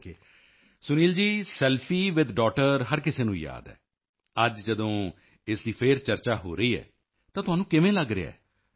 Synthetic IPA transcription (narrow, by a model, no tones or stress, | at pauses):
keː | sʊniːld͡ʒiːsɛːlpʰiːʋɪd̪ɖɔːʈəɾɦəɾkɪseːnũːja̰ːd̪ɛ̰ː | əd͡ʒd͡ʒəd̪õː | ɪsd̪iːpʰeːɾt͡ʃəɾt͡ʃaːɦoːɾəiːɛ̰ː | t̪ãːt̪ʊɦaːnũːkɪʋẽːləɡɾea̰ɛː